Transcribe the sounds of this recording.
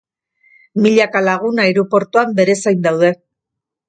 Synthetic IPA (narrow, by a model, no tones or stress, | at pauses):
miʎakalaɣ̞unaeɾupo̞ɾt̪uambe̞ɾe̞sajnd̪awðe̞